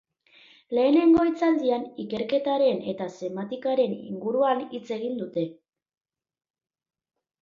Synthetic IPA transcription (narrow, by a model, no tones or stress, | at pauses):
le̞ːne̞ŋɡo̞it͡sald̪ianike̞ɾke̞t̪aɾe̞ne̞t̪ase̞mat̪ikaɾe̞nḭŋɡuɾuanit͡se̞ɣ̞ind̪ut̪e̞